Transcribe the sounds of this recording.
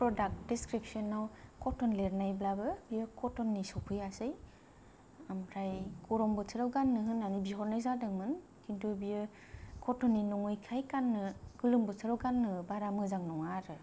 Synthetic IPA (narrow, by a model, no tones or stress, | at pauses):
pɾɔdak̚tdiskɾip̚sɔnːawkʰɔtɔnleɾnajblabɯbiɯkʰɔtɔnːisɔpʰɯjasɯj | amɾajkɔɾɔŋbɯtʰɯɾɯwɡanːɯɦɯnanibiɦɔɾnajzadɯŋmɯn | kintʰubijɯ | kʰɔtɔnːinɔŋɯjkʰajkanːɯɡɯlɯmbɯtʰaɾɯwɡanːɯbaɾamɯzaŋnɔŋaɾɯ